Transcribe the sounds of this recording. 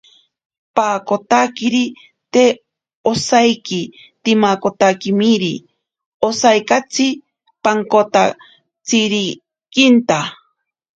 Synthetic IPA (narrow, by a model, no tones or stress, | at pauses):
paːkot̪akiɾi | t̪e | osajki | t̪imakot̪akimiɾi | osajkat͡sʰi | paŋkot̪a | t͡siɾi | kint̪a